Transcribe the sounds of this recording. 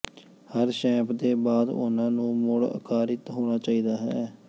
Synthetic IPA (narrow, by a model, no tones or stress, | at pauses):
həɾʃɛ̃ːpʰd̪eːbaːd̪ʊ̰nãːnũːmʊɽə̰kʰaːɾɪt̪ɦoːɽ̃aːt͡ʃaːiːd̪aːɦɛ̰ː